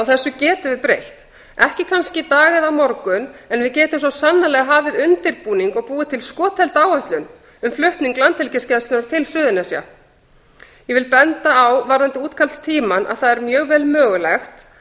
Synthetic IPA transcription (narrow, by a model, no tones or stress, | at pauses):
awθɛsːʏcɛːt̪ʏvɪðpɾejht̪ | ɛhcɪkʰanscɪt̪aːɣɪðawmɔɾkʏnɛnvɪðcɛːt̪ʏmsɔwsanːalɛɣaɦaːvɪðʏnt̪ɪɾpuːniŋkɔɣpuːɪt̪ʰɪlskɔːt̪ʰɛlt̪aːwœht̪lʏn | ʏmflʏht̪niŋklant̪ʰːɪlcɪscɛst̪ʏnaɾ̥t̪ʰɪlsʏːðʏnɛsja̰ | jɛvɪlpɛnt̪aːwvaɾðant̪ɪuːt̪kʰalt̪st̪ʰiːmanʔa̰ðθaðɛɾmjœːɣvɛːlmœːɣʏlɛxt̪